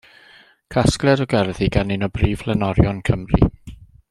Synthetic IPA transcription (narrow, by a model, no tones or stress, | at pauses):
kʰasklˠɛdɔɡɛrðiɡanɪnɔbriːvlˠɛnɔɾjɔnkʰəmrḭ